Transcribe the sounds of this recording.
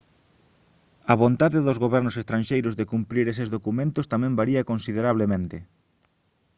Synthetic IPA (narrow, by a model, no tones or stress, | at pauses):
ɐβont̪aðɪðozɣoβɛɾnosest̪ɾãnʲʃejɾʊzðekumpɾiɾes̬ezðokumẽnt̪ʊst̪amɛ̃mbaɾiɐkõnsiðeɾaβ̞lemẽnt̪ɪ